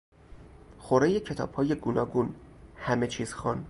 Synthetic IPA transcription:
xoɾeje̞cʰe̞t̪ʰɒ̰ːb̥hɒːje̞ɡunɒːɡuːnhæme̞t͡ʃʰiːz̥xɑn

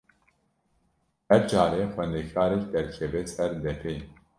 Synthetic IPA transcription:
hɛɾd͡ʒaːɾeːxʷɛnd̪ekʰaːɾɛkd̪ɛɾkʰɛveːsɛɾd̪ɛpʰeː

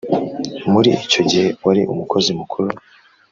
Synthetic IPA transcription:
muɾiʔico̞ɟihe̞waɾḭʔumuko̞zimukʰuɾu

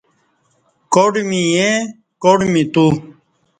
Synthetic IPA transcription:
koːɖmiːẽː | koːɽmĩːt̪uː

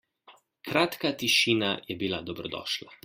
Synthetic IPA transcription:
kɾaːt̪kat̪iʃiːnajɛbila̰d̪ɔbɾɔd̪ɔ̰ːʃla

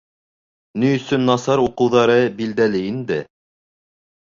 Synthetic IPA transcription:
nɵjɵ̆sɵnːɑsɑɾuqɤ̆wðɑɾɤbild̪ælɘind̪ɘ

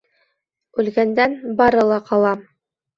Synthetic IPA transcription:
ʉlɡænd̪ænbɑɾɤ̆lˠɑqɑlˠɑm

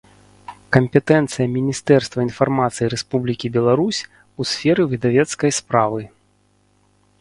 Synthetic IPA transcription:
kɐmʲpʲɛt̪ɛnt̪sɨjɐmʲinʲist̪ɛrst̪vɐinfarmat̪sɨjiɾɛspublʲikʲibʲɛlˠaɾusʲ | usʲfʲɛɾɨvʲid̪avʲɛt̪skɐjspɾavɨ

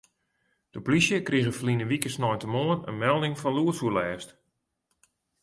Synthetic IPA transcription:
d̥əplisjəkriɣəfəlinəʋikəsnɔjntəmoənə̰nmɛlˠdɪŋfɔnluəsulɛːst

